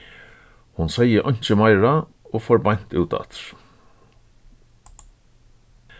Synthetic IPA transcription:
hʊnsaɪəʔɔɲ̥t͡ʃəmaɪɹa | oːfɔɾbɑn̥t̪ʉːt̪ɑ̰t̪ɾ

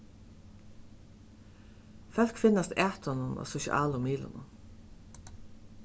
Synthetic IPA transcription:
fœl̥kfɪnːast̪æːt̪ɔnʊnɔ̰sʊʃɪ̰ʔa̰ːlʊmiːlʊ̰nʊ̰n

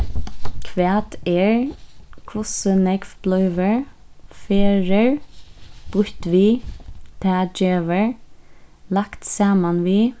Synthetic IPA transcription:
kʰʋæːt̪ɛɹkʰʊsənɛɡfb̥lœʏʋəɹ | feːɹəɹ | b̥ʊɹt̪ʋiːt̪ʰæːd͡ʒeːʋəɹ | lakt̪sɑːmanʋiː

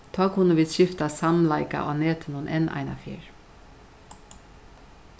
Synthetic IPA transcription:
t̪ʰɔːkʰʊnːəʋiːd̪ʃɪft̪asamlaɪka̰ʔɑːneːt̪ʰənʊnʔɛnʔa̰ɪna̰fɪ̰ːɹ

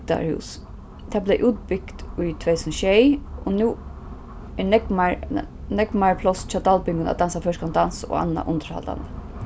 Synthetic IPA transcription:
t̪a̰ɹhṵːs | t̪ʰablɛjʔuːt̪̚pɪkt̪ʊjt̪ʰʋɛɪsɔmʃɛjɔnuː | ɛnɛkma | nɛɡmaɹpʰlɔst͡ʃʰaːt̪alpɪŋɡʊna̰d̪ansafœʃkand̪anso̰a̰nːa̰ʔʊnt̪əɾha̰ld̪a̰nd̪ə

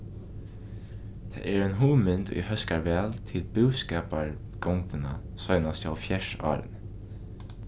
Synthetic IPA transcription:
t̪ʰɛ̰ːɛɹɛnɦuːmɪnt̪ṵjhœskaɹʋɛːlt̪ʰɪlbʊwskɛːpaɹ | ɡ̥ɔwŋkt̪ɪna̰ | sɔjnast̪awfjɛʂa̰ːɾ̰n

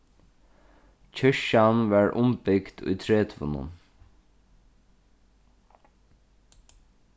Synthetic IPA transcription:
c͡çʰœʃɑnʋɑːɹʔʊmbɪɡt̪ʰʉ̰ːt̪ʰɹeːt̪ʰʋʊ̰nə̰n

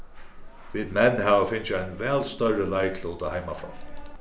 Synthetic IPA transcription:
viːd̪mɛnːɦɛvafɪnt͡ʃɪajnvɛːlst̪œɾəlajkʰluːt̪ahajmafɾɔ̰

